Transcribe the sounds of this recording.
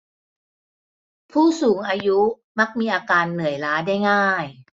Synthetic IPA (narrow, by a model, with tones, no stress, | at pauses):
pʰuː˥˩suː˩˦ŋʔaː˧ju˦˥ | ma˦˥k̚miː˧ʔaː˧kaː˧nːɯ˨˩əjlaː˦˥daː˥˩jŋaː˥˩j